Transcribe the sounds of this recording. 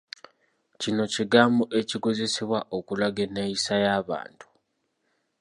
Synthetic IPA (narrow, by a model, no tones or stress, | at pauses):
cino̞ciɡaːmboʔeciko̞ze̞seβwaʔokulaɡeneisajaːβa̰ːntu̥